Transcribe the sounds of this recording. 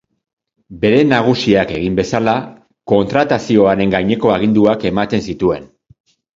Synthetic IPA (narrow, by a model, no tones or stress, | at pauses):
be̞ɾe̞naɣ̞usiake̞ɣimbe̞sala | ko̞nt̪ɾat̪asio̞aɾe̞ŋɡajɲe̞ko̞aɣ̞ind̪uake̞mat̪e̞nsit̪ue̞̰n